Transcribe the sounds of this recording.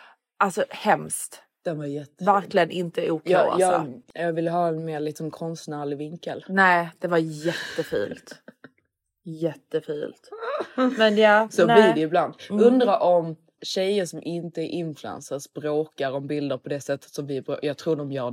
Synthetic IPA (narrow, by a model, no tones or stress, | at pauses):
ʔalsɔhɛmst̪ | d̪̥ɛnvajɛt̪ːvæɾklɪɡənʔɪnt̪əuːkʰja̰jɑjɑːɡvɪlːəɦɑːɛnmeːɭɪt̪sɔmkʰɔnst̪næːɭɪvɪŋkə̰lnɛɪd̪̥ɛvajɛt̪ːəfy̰ːlt̪ | jɛt̪ːəfyːlt̪mɛnɑsɔb̪lɪdɛɪbland̪ɵnd̪ɾaʔɔm | ɕɛjːəʂɔmʔɪnt̪əæɾʔɪnflʉɛ̰nsəsb̥ɾoːkaɾɔmbɪld̪əɾpʰɔd̪ɛsɛt̪ʰːə̥t̪sɔmvɪbɾːjɑːɡ̚t̪ʰɾuːɖɔmjœː